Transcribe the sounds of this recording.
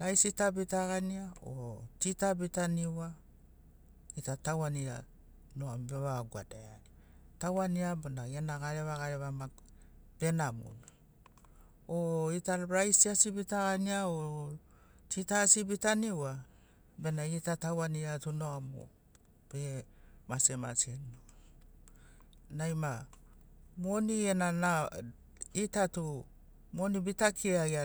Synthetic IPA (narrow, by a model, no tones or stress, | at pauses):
ɾajsitabitaɡaniao̰titabitaniwa | itatawania̰ | noambeβaɡua̰daai | tawaniabonaɡenaɡaɾeβaɡaɾeβama | b̥e̞namṵn | oitaɾajsiasibitaɡaniao | tʰitasibitaniwa | be̞naitatawaniatunoamo̰ | b̥emasema̰senu | najma | monienana | itatu | monibitakʰiaja